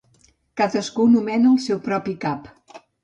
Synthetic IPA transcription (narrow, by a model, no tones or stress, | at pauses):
kaðəskunumɛnəːlˠsɛwpɾɔpikap